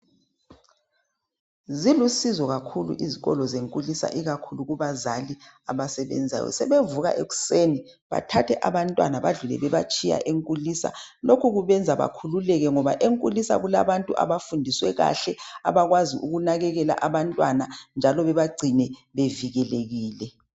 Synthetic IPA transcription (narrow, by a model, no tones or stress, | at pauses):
zilusizɔɣakʰulṵʔiziɣɔ̰lɔzeŋkʼulisa̰ʔiɣakʰuluɣuβazali | aβasɛβɛ̰nd͡zʱa̰jɔ̰sɛβevuɣa̰ʔeɣu̥seːni | βa̰tʰatʰɛʔaβantʼwanaβaɮulɛ̰βɛβat͡ʃʼija̰ʔeŋkʼulisa̰lokʰuɣuβɛnd͡zʱaβa̰kʰululɛɣɛŋɔβaʔeŋkʼulisa̰ɣula̰βantʼuʔa̰βafundʱiswɛɣa̰ɬɛa̰βaɣwaziʔuɣunaɣɛɣɛla̰ʔaβantʼwanand͡ʒʱalɔβɛβaɡ͡ǀʱinɛβeviɣɛleɣiːlɛ